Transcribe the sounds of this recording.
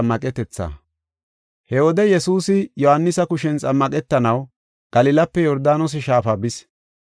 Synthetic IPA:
mːɐkʼɛt̪ɛt͡sːɐ̰ | hɛwɔd̪ɛjɛsuːsɪjɔhɐnːɪsɐkʊʃɛnt͡sʼɐmːɐkʼɛt̪ːɐnɐw | ɡ̥ɐlɪlɐpːɛjɔɾd̪aːnɔs̬ɪʃaːfɐːbɪs

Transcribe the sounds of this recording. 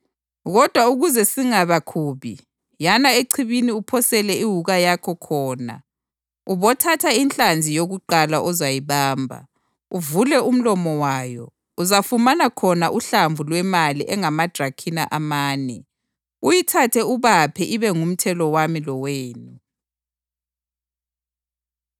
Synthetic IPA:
ɣɔd̥ʱwauɣuzɛsiŋaβakʰuːβi | janaeǀʰiβiniupʰɔsɛlɛiɦuɣajakʰɔkʰɔːna̰ | uβɔtʰatʰainɬand͡zʱijoɣuǃalaʔɔzajiβaːmbʱa̰ | uvulɛum̩lɔmɔwaːjɔ̰ | uzafumanakʰɔnaʔuɬaɱvʱulwɛmaliʔɛŋamad̥ʱrakʰinaʔamaːnɛ | ujitʰatʰɛuβapʰɛʔiβɛŋum̩tʰɛlɔwamilɔweːnu

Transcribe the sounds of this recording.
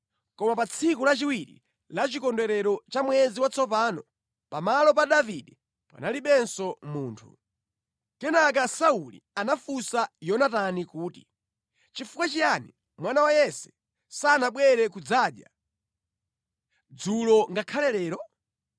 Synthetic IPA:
kɔmapat͡sʰikulat͡ʃiwiɾḭ | lat͡ʃikɔndɛɾɛɾɔt͡ʃamwɛziwat͡sɔpaːnɔ | pamalɔp̬aɗaviɗɛ | pa̰naliɓɛnsɔmuːntʰṵ | tɛnak̬asaulḭanafusajɔnatanikuːtḭ | t͡ʃifukwat͡ʃijani | mwanawajɛsɛ̥ | sanaɓwɛɾɛkud͡zaːɗja̰ | d͡zulɔŋɡakʰalɛlɛːɾɔ

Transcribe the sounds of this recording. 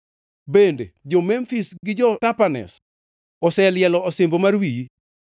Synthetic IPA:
bended͡ʒɔmɛmfisɡɪd͡ʒɔtapanɛ̰s | ɔsɛljɛlɔːsɪmbomarwiji

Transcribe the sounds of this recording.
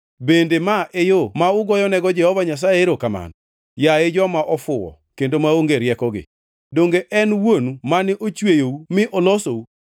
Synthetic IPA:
bendemaʔejomaʊɡɔjɔnɛɡɔd͡ʒɛhɔvaɲas̬aeɾokama̰n | jaed͡ʒɔmaʔɔfʊwɔ̰ | kendomaoŋɡeɾjɛkɔɡɪ̰ | doŋɡeʔɛnwonumanɪʔot͡ʃwejoumɪʔɔlosou

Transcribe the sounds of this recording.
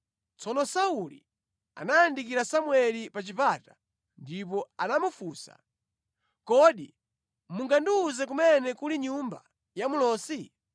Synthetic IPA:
t͡sɔnɔsaulḭ | a̰najandikiɾasamwɛlipat͡ʃipata | ndip̬ɔanamufuːsa̰ | kɔɗi | muŋɡandiːzɛk̬umɛnɛkuliɲumba | jamulɔːsi

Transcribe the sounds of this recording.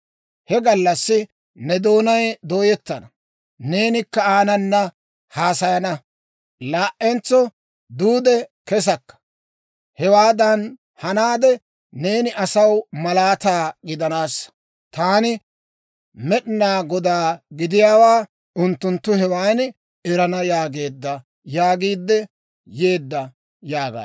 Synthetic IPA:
hɛɡɐlːɐsːɪ | nɛd̪o̞ːnɐjd̪oːjɛt̪ːɐnɐ | ne̞ːnɪkːɐaːnɐnːɐ | haːsɐjɐnɐ | laːʔʔɛnt͡sːɔ | d̪uːd̪ɛkɛs̬ɐkːɐ̥ | hɛwaːd̪ɐn | hɐnaːd̪ɛː | e̞ːnɪʔɐsɐwmɐlaːt̪aːɡɪd̪ɐnaːs | t̪aːnɪ | mɛɗnaːɡɔd̪aːɡɪd̪ɪjaːwaː | ʔʊnt̪ːʊnt̪ːʊɦɛwaːn | ɛɾɐnɐjaːɡe̞ːd̪ːɐ | jaːɡiːd̪ːɛ | je̞ːd̪ːɐ | jaːɡa̰ː

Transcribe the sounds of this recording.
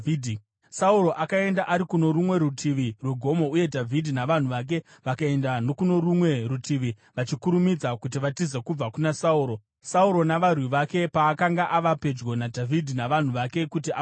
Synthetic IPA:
dʱ | sauɾo̞ʔakae̞ndaʔaɾikuno̞ɾumwe̞rutʰiʋirweɡʱo̞mo̞uje̞dʱavʱidʱinaʋan̤uʋak̬e̞ | ʋakae̞ndano̞kuno̞rumwe̞rutʰiʋi | ʋat͡ʃikuɾumid͡zakut̬iʋatizekub͡vakunasauːɾo | sauɾo̞naʋarwiʋake̞paːkaŋɡaʔaʋape̞d͡ʒɡo̞nadʱavʱidʱinaʋan̤uʋake̞kut̬ia

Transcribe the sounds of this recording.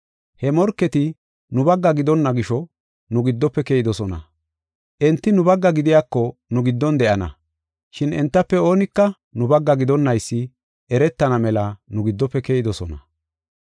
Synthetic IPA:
hɛmɔɾkːɛt̪ɪ | nʊbɐɡːɐɡɪd̪ɔnːɐɡɪʃɔ | nʊɡɪd̪ːɔpːɛkejɪd̪ɔsɔnɐ̰ | ʔɛnt̪ːɪnʊbɐɡːɐɡɪd̪ɪjakːɔnʊɡɪd̪ːɔnd̪ɛʔɐnɐ̰ | ʃɪnɛnt̪ːɐpːɛo̞ːnɪkːɐ | nʊbɐɡːɐɡɪd̪ɔnːɐjsːɪ | ʔɛɾɛt̪ːɐnɐmɛlɐnʊɡɪd̪ːɔpːɛkɛjɪd̪ɔsɔnɐ

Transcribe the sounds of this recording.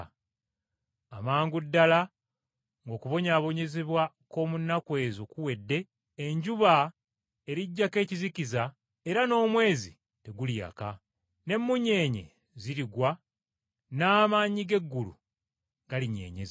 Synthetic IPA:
amaːŋɡudːala | ŋɡo̞ːkuβo̞ɲaːβo̞ɲe̞zeβwa | ko̞ːmunːakwe̞ːzokuwe̞dːe̞ː | ɲɟuβa | e̞ɾiɟːake̞ːciziciza | e̞ɾano̞ːmwe̞ːzḭ | te̞ɡulja̰ka | ne̞mːuɲe̞ːɲe̞̰ | ziɾiɡwa | naːmaːɲiɡe̞ɡːulṵ | ɡ̥aliɲe̞̰ːɲḛz

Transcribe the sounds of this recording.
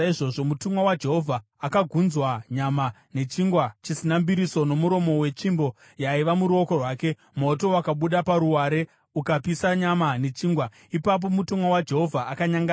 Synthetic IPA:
aiʐo̞ʐo̞mutumwawad͡ʒe̞ɦo̞vʱaːkaɡʱunzwaɲamane̞t͡ʃiŋɡwat͡ʃisinambiɾiso̞no̞muɾo̞mo̞we̞t͡ʃimbo̞ | jaiʋamuɾuo̞ko̞rwaːke̞ | mo̞to̞wakaɓuɗapaɾuwaɾe̞ | ukapisaɲamane̞t͡ʃiːŋɡwa | ipap̬o̞mutumwawad͡ʒe̞ɦo̞vʱaʔakaɲaŋɡa

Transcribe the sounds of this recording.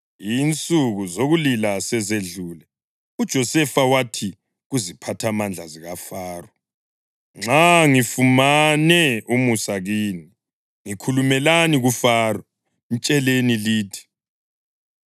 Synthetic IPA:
iːnt͡sʼuɣuzoɣulilasɛzeɮuːlɛ | ud̥ʒ̥ʱɔsɛfawatʰi | ɣuzipʰatʰamand͡ɮʱaziɣafaːrɔ | ŋ͡ǁaŋifumanɛumusaɣiːni | ŋikʰulumɛlaniɣufaːrɔ | nt͡ʃʼɛleniliːtʰi̥

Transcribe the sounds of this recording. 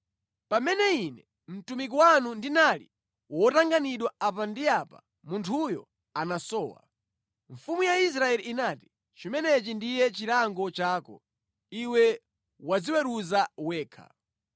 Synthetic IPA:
pamɛnɛinɛ | m̩tumik̬ɔwanundinalḭ | wɔtaŋɡaniɗwaapandiapa̰ | muntʰujɔ̰ | anasɔːwa̰ | ɱfumujais̬ɾaɛliːnaːti̥ | t͡ʃimɛnɛt͡ʃindijɛt͡ʃiɾaŋɡɔt͡ʃaːkɔ̰ | iwɛ | wad͡ziwɛɾuzawɛːkʰa̰

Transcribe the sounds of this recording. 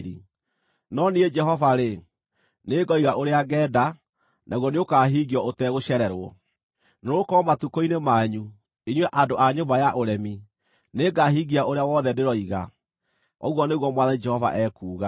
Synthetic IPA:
ɾḭ | nɔnied͡ʒɛɦɔvaɾe | neːɡɔiɣaʔoɾeaɡɛːda | nʔaɣwɔneokaːɦiːɣiɔʔotɛɣoɕɛɾɛɾwɔ | noɾokɔmatukoinemaɲu | eɲwɛʔadoʔaɲobajaʔoɾɛmi | neɡaɦiːɡiaʔoɾeawɔðɛdeɾɔiɣa | ɔɣwɔneɣwɔmwaðanid͡ʒɛhɔva̰ʔɛːkuːɣa

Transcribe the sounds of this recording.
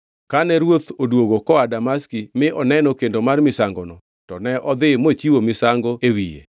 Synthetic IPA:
kanɛɾwot̪odwoɡokɔadamaskimɪʔɔnɛnɔkendomarmɪsaŋɡɔnɔ | tɔnɛʔɔd̪ɪmot͡ʃiwomɪsaŋɡoewijḛ

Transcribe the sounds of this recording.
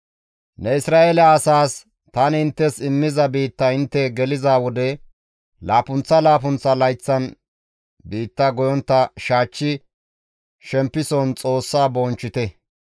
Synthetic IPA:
nɛɪsɾaːʔɛlɐːsaːs | t̪ɐnɪnt̪ːɛsɪmːɪzɐbiːt̪ːɐɪnt̪ːɛɡɛlɪzaːwɔd̪ɛ | laːpʊnt͡sːɐlaːp̬ʊnt͡sːɐlɐjt͡sːɐn | biːt̪ːɐɡɔjɔnt̪ːɐʃaːt͡ʃːɪ | ʃɛmpːɪsɔnt͡sʼo̞ːsːaːbɔːnt͡ʃːɪt̪ɛ

